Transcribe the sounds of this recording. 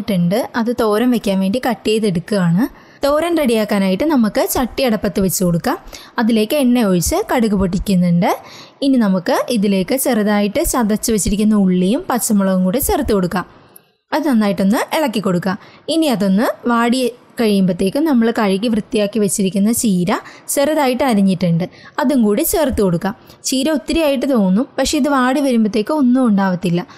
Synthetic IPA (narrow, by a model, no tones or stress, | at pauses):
ʈːuɳɖɨɐðɨt̪o̞ːɾɐmʋekʲːaːnʋeːɳɖikɐʈːiejðeɽukːɨaːɳɨ | t̪o̞ːɾɐnreɽijaːkːaːnaːjiʈːɨnɐmukːɨt͡ɕɐʈːiɐɽɐpːɐt̪ːɨʋet͡ɕːɨko̞ɽukːaːm | ɐðile̞ːkːɨeɳːe̞oɻit͡ɕːɨkɐɽuɣupoʈ̬ːikʲːunːuɳɖɨ | ininɐmukːɨʔiðile̞ːkːɨt͡ɕerɐðaːjiʈːɨt͡ɕɐd̪ɐt͡ɕːɨʋet͡ɕːiɾikʲːunːɐuɭːijumpɐt͡ɕːɐmuɭɐʋuŋkuːɽet͡ɕerɐt̪ːɨko̞ɽukːaːm | ɐðɨnɐnːaːjiʈːo̞nːɨeɭɐkːikːo̞ɽukːaːminiɐðo̞nːɨʋaːɽi | kɐɻijumbɐt̪ːe̞ːkːɨnɐmːɐɭkɐɻik̬ʲːiʋrɨt̪ːijaːkːiʋɐt͡ɕːiɾikʲːunːɐt͡ɕiːɾɐt͡ɕerɐðaːjiʈːɨɐɾɐɲːiʈːɨɳɖɨɐðuŋkuːɽit͡ɕert̪ːɨko̞ɽukːaːt͡ɕiːɾɐot̪ːiɾijaːjiʈ̬ːɨt̪o̞ːŋunːupɐkʂe̞iðɨʋaːɽiʋɐɾumbɐt̪ːe̞ːkːɨo̞nːumuɳɖaːʋɐt̪ːilːɐ